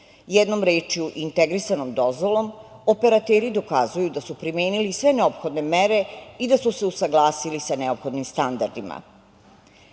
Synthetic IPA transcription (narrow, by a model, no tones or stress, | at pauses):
jɛd̪no̞mɾeːt͡ʃiuʔint̪eɡɾisanomd̪o̞zʋo̞lˠo̞m | ope̞ɾat̪eːɾid̪o̞kazujud̪asupɾimeːnilisʋe̞neopxo̞d̪ne̞meɾe̞id̪asuseusaɡlˠaːsilisaneo̞pxo̞d̪nimst̪and̪aɾd̪ima̰